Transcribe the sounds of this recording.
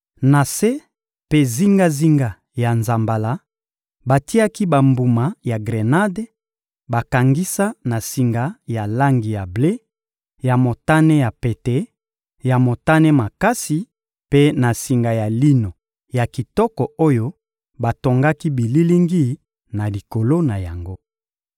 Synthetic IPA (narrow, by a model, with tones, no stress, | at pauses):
na˨se˦ | pe˦zi˦ŋɡa˦zi˦ŋɡa˨ | ja˨nza˨mba˨la˨˦ | ba˨ti˦a˦ki˦ba˨mbu˨ma˨ja˨ɡʁe˨na˦de˦ | ba˨ka˨ŋɡi˦sa˦na˨si˨ŋɡa˨ja˨la˦ŋɡi˨ja˨ble˦ | ja˨mo˨ta˦nɛ˦ja˨pe˨te˦ | ja˨mo˨ta˦nɛ˦ma˨ka˦si˨ | pe˦na˨si˨ŋɡa˨ja˨li˦no˨ | ja˨ki˨tɔ˦kɔ˨o˦jo˦ | ba˨to˨ŋɡa˦ki˦bi˨li˦li˦ŋɡi˦ | na˨li˨ko˨lo˦na˨ja˨ŋɡo˦